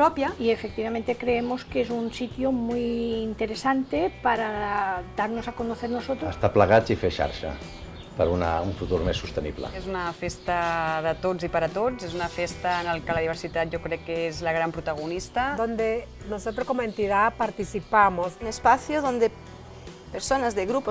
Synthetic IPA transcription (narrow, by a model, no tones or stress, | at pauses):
pɾɔpjaiefek̚t̪iβamẽnt̪ekɾeemoskezunsit̪jomujint̪eɾesant̪epaɾad̪aɾnosakonoθeɾnosot̪ɾoəst̪apləɣat͡sifeʃa̰ɾʃə̰ | pəɾuna̰uɱfut̪uɾmesːust̪ənḭβlə̰ezunɐfest̪aðət̪ozipaɾat̪ozezunafest̪analkalaðiβ̞eɾsit̪at̪̚ʒokɾekːeezlaɣɾampɾut̪aɣ̞unist̪ad̪ond̪e | nosot̪ɾoskoment̪iðapaɾt̪isipamosunespaθjoðond̪e | peɾsonazðeɣɾupo